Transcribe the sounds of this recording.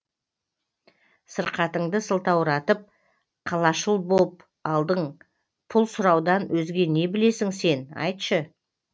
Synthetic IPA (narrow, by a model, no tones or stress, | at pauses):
səɾqɑt̪əɴd̪əsəlˠt̪ɑwɾɑt̪əp̚ | qʰɑlˠɑʃəlˠbop | ɑlˠd̪əɴ | pʰʊlˠsʊɾɑwd̪ɑnwɵzɡʲe̞ne̞bɪle̞sɪŋse̞nɑ̰jt̪ʃə